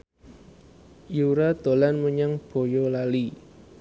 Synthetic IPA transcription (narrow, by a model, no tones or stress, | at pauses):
juɾad̪̥o̤lanməɲaŋb̥o̤jolali